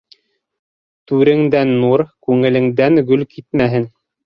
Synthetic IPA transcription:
t̪ʉɾɘ̆ŋd̪ænːuɾkʉŋɘ̆lɘ̆ŋd̪æŋɡɵlkit̪̚mæɦɘn

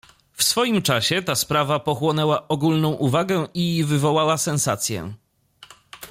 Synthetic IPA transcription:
fsfɔjimt͡ʂaɕɛt̪aspɾavapɔxwɔnɛwaʔɔɡulnɔ̃w̃ʔuvaɡɛivɘvɔwawasɛ̃nsat̪sʲjɛ̰

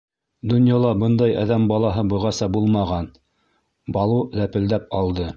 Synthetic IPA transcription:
d̪ŏnjɑlˠɑbɤnd̪ɑjɑ̰ðæmbɑlˠɑɦɤbɤ̆ʁɑsɑbulˠmɑʁɑn | bɑlˠuðæpɘ̆ld̪æp̚ɑlˠd̪ɤ

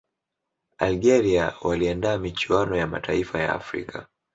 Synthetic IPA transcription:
alɡɛɾiawaliandaːmit͡ʃuwanɔjama̰taifaja̰ːfɾḭkʰa

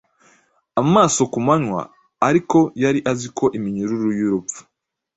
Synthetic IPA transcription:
amaːso̞kumaɲwa̰ː | ɾiko̞jaɾiʔazikʰo̞ʔimiɲuɾuɾujiɾupp͡fu̥

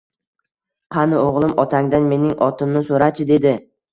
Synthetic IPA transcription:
qʰɑnɪoʁlˠɪmɒt̪ʰaŋd̪anme̞nɪŋɒt̪ʰɪmnɪsoɾat͡ʃʰɪd̪e̞d̪ɪ

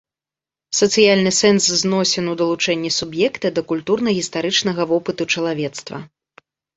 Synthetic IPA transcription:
sɐt̪sɨjalʲnɨsɛnsznɔsʲɛnud̪ɐlˠut͡ʂɛnʲːɛsubjɛkt̪ɐd̪ɐkulʲt̪urnɐɣʲist̪aɾɨt͡ʂnɐɣɐvɔpɨt̪ut͡ʂɐlˠavʲɛt̪st̪vɐ̰

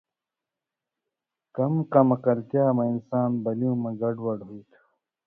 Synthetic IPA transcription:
kɐmkɐmɐkɐɾkjaːmɐinsaːnbɐljũːmɐɡɐɖwɐɖɦuːt̪ʰu̥

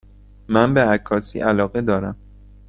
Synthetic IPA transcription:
mænbeækʰːɒːsḭːʔælɒːɣed̪ɒːɾæm

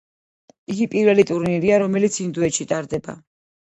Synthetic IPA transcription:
iɡipʼiɾvɛlit̪ʼuɾniɾiaɾɔmɛlit̪sʰind̪uɛʃit̪ʼaɾd̪ɛba̰

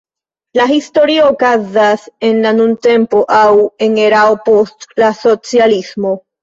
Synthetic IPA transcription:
laɦisto̞ɾiookazase̞nlanunte̞mpo̞ʔawe̞ŋe̞ɾaopo̞stlaso̞t͡sialismo̞

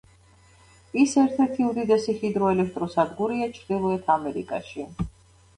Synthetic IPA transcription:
isɛɾt̪ʰɛɾt̪ʰiud̪id̪ɛsiχid̪ɾɔɛlɛk̚ʰt̪ʼɾɔsad̪ɡuɾiat͡ʃʰɾd̪ilˠuɛt̪ʰamɛɾḭkʼa̰ʃi

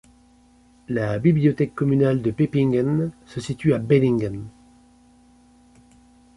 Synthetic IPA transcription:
labibliɔt̪ɛkːɔmynald̪əpepiŋɡansəsit̪yabelĩŋɡan

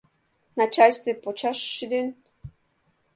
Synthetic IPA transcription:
nat͡ɕalʲst̪vepot͡ɕɑʃːyd̪en

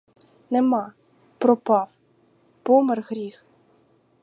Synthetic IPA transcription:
nɛmɑ | pɾɔpɑw | pɔmɛrɣɾʲix

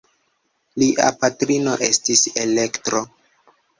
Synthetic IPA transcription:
liʔa̰patɾino̞ʔe̞stisele̞ktɾo̞

